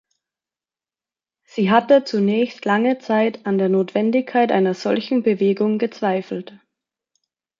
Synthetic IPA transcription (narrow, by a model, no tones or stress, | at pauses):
z̥iːɦatət͡sunɛːçstlaŋət͡saɪtandeːɐnoːtv̥ɛndɪçkʰaɪtʔa̰ɪnɐz̥ɔlçn̩bəveːɡʊŋɡət͡sv̥aɪfl̩t